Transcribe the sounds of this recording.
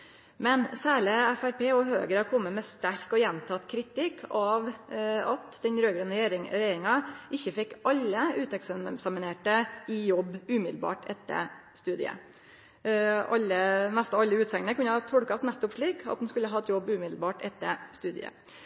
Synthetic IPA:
mɛnsæːɭəæfæɾpʰeːɔɦøːɡəɾɑkʰɔmːəmɛst̪æɾkɔjɛnt̪ʰɑt̪kʰɾɪt̪ɪkʰːɑʋɑt̪d̪ɛnɾøːɡɾənəɾeɾɪɾɛjeːɾɪŋɑʔɪçːəfɛkːɑlːəʉːt̪ɛkssɑmɪneːʈəɪjɔbːʉːmɪd̪l̩bɑ̰ːʈʰɛt̪ʰːə̰ɾst̪ʉːd̪ɪə̰ | ɑlːəmæst̪ɑɑlːəʉːt̪sɛŋnəkʉnːəhɑt̪ʰɔɽkɑsnæt̪ːɔpʂɭiːkʰɑ̰t̪̚d̪ɛnskʉlːəɦɑːɛt̪jɔbːʉːmɪd̪l̩bɑːʈɛt̪ːə̰ɾst̪ʉːd̪ɪ̰ə̰

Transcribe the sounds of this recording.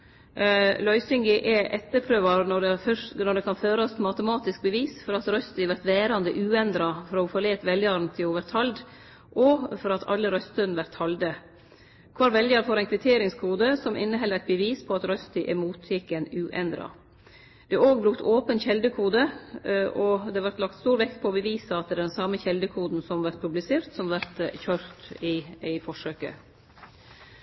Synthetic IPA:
lœʏsɪŋɡɪʔɛʔɛt̪ːəɾpʰɾøːʋɑɾnɔnɔɖɛkʰɑnføːɾəɔspʰmɑt̪əmɑːt̪ɪsk̚bəʋiːsfɔɾɑt̪ɾœst̪ɪʋæɾt̪ʋeːɾɑnd̪əʔʉːɛnd̪ɾɑfɔɾɔfoːleːt̪ʋɛljɑɾnt̪ʰɪloːʋəɾt̪ʰɑld̪ | ʔɔfɔɾɑt̪ʰɑ̰lːəɾœst̪œnʋæɾt̪ʰhɑld̪ə | kʰʋɑːɾʋɛljɑɾfoːɾɛɪnkʰʋɪt̪ʰeːɾɪŋskʰuːd̪əsɔmʔɪ̰nːəɦɛlːəæɪt̪̚bəʋiːspʰɔɑt̪ɾœst̪ɪʔɛmuːt̪ʰjɪkːɛnʉːʔɛ̰nd̪ɾɑ̰ | d̪̥ɛʔoːɡ̚bɾʉkt̪ʰoːpənçɛld̪əkʰuːd̪əʔɔd̪ɛʋɑɾt̪lɑkt̪st̪uːɾʋɛk̚t̪pʰɔbəʋiːsɑɑt̪̚d̪ɛd̪ɛnsɑməçɛld̪əkʰuːd̪n̩sɔmʋæɾt̪̚pʰʉblɪseːɾt̪sɔmʋæɾt̪çøːɾt̪ɪæɪfɔʂøːkə̰

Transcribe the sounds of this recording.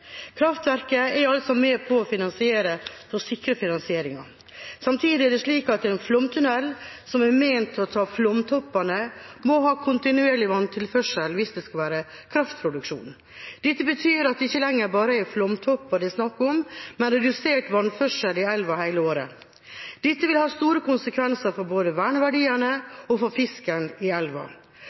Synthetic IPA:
kʰɾɑft̪ʋæɾkəɛɾɑlsɔmeːpʰɔːfɪnɑnsɪeːɾəfɔsɪkɾəfɪnɑnsɪeːɾɪŋɑ | sɑmt̪ʰiːd̪ɪɛd̪ɛʂɭiːkɑt̪ɛnflɔmt̪ʰʉnɛlːsɔmɛɾmeɪnt̪ʰːɔt̪ʰɑːflɔmt̪ʰɔpːɑnəmɔɦɑːkʰʊnt̪ɪnʉeːɭɪʋɑnt̪ʰɪlfœʂəlʋɪsd̪ɛskɑʋæːɾə | kʰɾɑft̪̚pʰɾʊd̪ʉkʂṵːn | d̪̥ɛt̪ːəbət̪ʰyːɾɑt̪̚d̪ɛɪçːəlɛŋːəɾbɑːɾəæflɔmt̪ʰɔpːɑd̪ɪsnɑkːɔmmɛnɾɛd̪ʉseːʈʋɑnfœʂəlɪɛlʋɑhæɪləoːɾə̰ | d̪̥ɪt̪ːəʋɪlhɑːst̪uːɾəkʊnsəkʰʋɛnsəɾfɔɾboːd̪əʋæːɳəʋæɖiːəɳəɔfɔɾfɪskənɪɛlʋɑ̰

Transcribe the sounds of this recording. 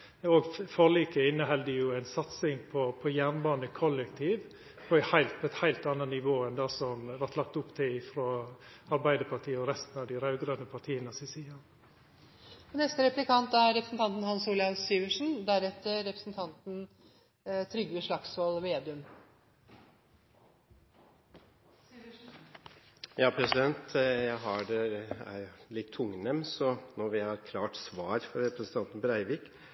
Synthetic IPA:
oɡfɔliːkəɪnːəɦɛld̪əjʊæɪnsɑt̪sɪŋpʰɔpʰɔjæːnbɑːnəkʰɔlːɛkt̪ʰiːʋ | pʰɔæhæɪlt̪̚pʰɔɛt̪hæɪlt̪ɑnːənɪʋoːɛnd̪ɑsɔmʋɑɾt̪lɑk̚t̪ʊpːt̪ʰɪlɪfɾoːɑɾbæɪd̪əpʰɑɾt̪ʰiːɔɾɛst̪ən̩ɑʋd̪ɪɾɑʉɡɾœnəpʰɑɾt̪ʰiːənəsɪsiːɑ | ɔnɛst̪əɾɛplɪkʰɑnt̪æɾɾɛpɾəsn̩t̪ʰɑnt̪n̩hɑnsuːljɑsiːʋəʂn̩d̪æɾɛt̪ːəɾɛpɾə̥sn̩t̪ʰɑnt̪n̩ | t̪ʰɾʏɡəʂɭɑksoːlʋeːd̪ʉm | jɑːpʰɾɛsɪd̪ɛnt̪jæɪɦɑɖɛæ̰ɪlɪt̪ʰːʊŋnɛmsɔnɔʋɪhɑɾkʰlɑːʈsʋɑːɾfɔɾɾɛpɾəsn̩t̪ʰɑnt̪n̩pɔɾæɪʋɪk

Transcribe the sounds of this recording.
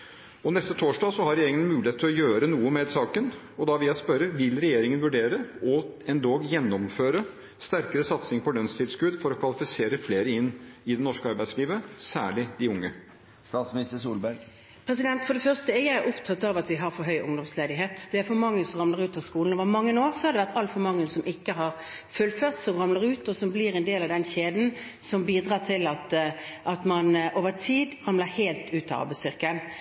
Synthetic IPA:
ɔnɛst̪ət̪ʰoːʂɖɑːsɔhɑɾɛjeːɾɪŋəəmʉːlɪeːt̪ʰlɔjøːɾənuːəmɛd̪sɑːkən | ɔd̪ɑʋɪjæɪspœɾəʋɪlɾɛjeːɾɪŋənʋʉɖeːɾəɔɛnd̪oːjɛnːɔmføːɾə | st̪æɾkəɾəsɑt̪sɪŋpɔlœnst̪ʰɪlskʉd̪fɔɾɔkʰʋɑlɪfɪseːɾəfleːɾəɪnːɪd̪ɛnɔʂkəɑɾbæɪsliːʋəsæːɭɪd̪ɪʊŋːə | st̪ɑːt̪smɪnɪst̪əʂuːlbæɾɡ | pʰɾɛsɪd̪ɛnt̪fɔɖ̪ɛfœʁst̪əɛjæɪæɾʔʊpt̪ʰɑt̪ːɑʋɑt̪ʋɪɦɑɾfɔɾɦœʏʔʊ̰ŋd̪ɔmsleːd̪ɪɦeːt̪d̪̥ɛæɾfɔmɑŋːənsɔmʁɑmləɾʉːt̪ɑʋskuːln̩oːʋəmɑŋːənoːʁsɔhɑɾd̪ɛʋæʁt̪ɑlfɔmɑŋːənsɔmʔɪkːəɦɑɾ | fʉlføːʁt̪sɔmʁɑmləɾʉːt̪ɔsɔmblɪɾɛnd̪eːlɑʋd̪ɛnçeːd̪n̩ | sɔmbiːd̪ʁɑːt̪ʰɪlɑt̪ʔɑt̪mɑnʔoːʋət̪ʰiːd̪ʁɑmləɾheːlt̪ʉːt̪ɑ̰ɾbæɪst̪ʏʁkən

